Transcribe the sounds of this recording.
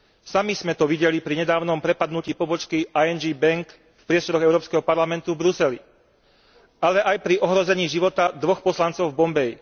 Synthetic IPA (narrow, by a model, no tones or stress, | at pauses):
samizmɛt̪ɔʋiɟɛlipɾiɲɛd̪aːʊnɔmpɾɛpad̪nuciːpɔbɔt͡ʃkiaɛnd͡ʒiːbɛŋk | fpɾɪɛst̪ɔɾɔɣɛʊɾɔːpskɛɦɔpaɾlamɛnt̪uvbɾusɛlḭ | alɛʔajpɾiʔɔɦɾɔzɛɲiːʒiʋɔt̪ad̪ʋɔxpɔslant͡sɔʊvbɔmbɛj